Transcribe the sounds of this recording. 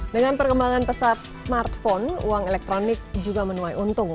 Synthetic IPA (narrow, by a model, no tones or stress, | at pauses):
dəŋanpərkəmbaŋanpəsat̪̚smart̪fɔnṵaŋelɛk̚t̪ɾonɪk̚d͡ʒuɡamənuajunt̪ʊŋ